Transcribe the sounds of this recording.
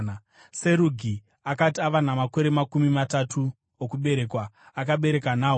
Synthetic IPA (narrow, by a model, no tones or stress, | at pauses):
se̞ɾuɡʱi | akatiaʋanamako̞ɾe̞makumimatatʰu | okuɓe̞ɾe̞kwaːkaɓe̞ɾe̞kanaːɦ